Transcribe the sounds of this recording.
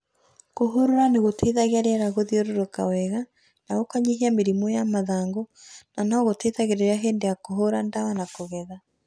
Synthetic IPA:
koɦoɾoɾaneɣotʰeːðaɣeaɾeaɾaɣoðioɾoɾoka̰wɛɣa | naɣokaɲeɦiameɾimojamaðaːŋɡonanaɣoteðaɣeɾeɾaɦeːndeakoɦoɾandawanakoɣɛða

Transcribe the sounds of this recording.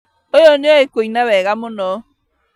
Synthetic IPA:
ojoneɔekoinawɛɣamonɔ

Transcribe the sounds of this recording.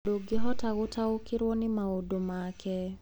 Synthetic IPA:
doɡɪɦɔtaɣʊtʰaʊkɪɾwɔnɪmaodomakɛ

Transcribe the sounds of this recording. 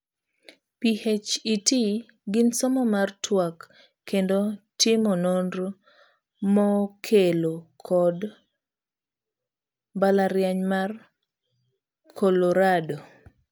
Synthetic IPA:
pihet͡ʃiti | ɡɪnsɔmɔmartwakː | endotɪmɔnondr | mɔkʰelokʰɔd | balaɾjaɲmar | kʰɔloɾado

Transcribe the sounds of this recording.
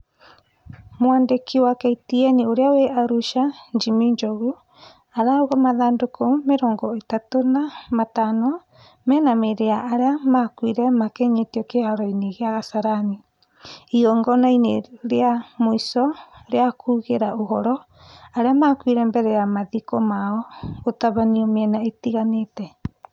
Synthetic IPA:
mowaːndekiwakɛitiɛnioɾeaweʔaɾuʃaɲd͡ʒimiɲd͡ʒɔɣu | aɾaoɣɔmaðaːndokomeɾɔːŋɡɔetatonamatanɔ | mɛnameɾeaʔːɾeamakwiɾɛmakɛɲetiɔkehaɾɔineɣeaɣasaɾani | iɔŋɡɔnaineɾeamoisɔɾeakʰuːɣeɾaoɦɔɾɔ | aɾeamaːkwiɾɛmbɛɾɛjamaðikɔmaɔɣotaβaniɔmeɛnaetiɣanetɛ

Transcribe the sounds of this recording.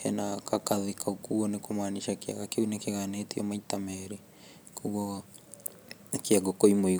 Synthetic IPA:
ɛ̰nakakaðekʰaukuɔnekomaniʃakea̰ɣakeunekeɣanetiɔmaitamɛɾe | kuɣɔa | keaɡokoimoi

